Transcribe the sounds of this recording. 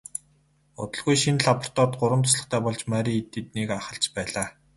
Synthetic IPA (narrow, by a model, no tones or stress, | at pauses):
ʊ̰t̪ɞ̆ɮɣujʃinɮapʰɔ̥r̥t̪ɔːt̪ɢʊɾwə̆mt̪ʰʊsɮə̆χt̪ʰæːpɔɮt͡ɕmæɾʲit̪ːĕt̪nekaχə̆ɬt͡ɕpæːɮaː